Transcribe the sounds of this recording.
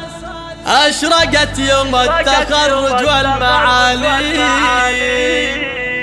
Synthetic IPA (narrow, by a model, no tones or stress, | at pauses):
aʃɾaɡʲatijoatːaxaɾɾdualmaali